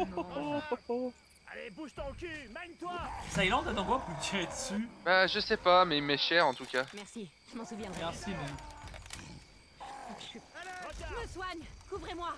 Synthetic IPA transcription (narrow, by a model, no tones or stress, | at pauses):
a̰lebuʃt̪ɔ̃kʲymaɲt̪wasajlɑ̃d̪ad̪ɑ̃ɡwaput̪ɛɛt̪sybaʒəsɛpamɛimɛʃɛʁɑ̃t̪ukʲamɛʁsi | ʒəmɑ̃suvjɛ̃mɛʁsimɛ | məswaɲkuvʁemwa